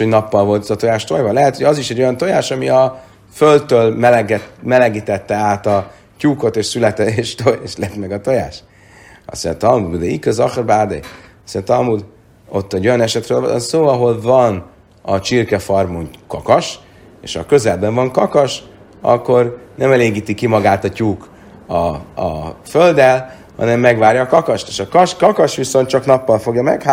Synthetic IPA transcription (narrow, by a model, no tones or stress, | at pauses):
oɟnɒpːɒlvo̞lt̪zɒt̪o̞jaːʃt̪ojvɒlɛɦɛt̪hoɟɒziʃɛɟːo̞jɒnt̪o̞jaːʃɒmiɒ | føldt̪ːøːlmɛlɡɛtmɛlɛɡit̪ɛt̪ːɛaːt̪ɒ | cuːko̞t̪eːʃsylɛt̪ɛeːʃt̪ojeʃlɛt̪mɛɡɒt̪oja̰ːʃ | ɒ̰sɛ̰nt̪ɒlmud̪d̪ɛikɛzɒxrbaːd̪ḛ | sjɛnt̪ɒlmud̪ | ot̪ːɛɟːo̞jɒnɛʃɛt̪ɾøːl̰nsoːɒɦo̞lvɒn | ɒt͡ʃirkɛfɒrmoŋkɒkɒʃ | ḛːʃhɒkø̞zɛlbɛɱvɒŋkɒkɒʃ | ɒ̰kːo̞rnɛmɛleːɡiːt̪ikimɒɡaːt̪ɒcuːk | ɒ̰ | føld̪ɛl | hɒ̰nɛmːɛɡʋaːrjɒːkɒkɒʃt̪e̥ːʃɒkɒʃkɒkɒʃʋiso̞nt̪t͡ʃɒknɒpːɒlfo̞ɡjɒmɛkha